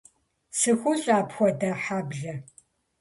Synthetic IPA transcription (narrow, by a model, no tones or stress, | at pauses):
sɨxʷʊɕʼaːpxʷɔdɐħaːbɮɐ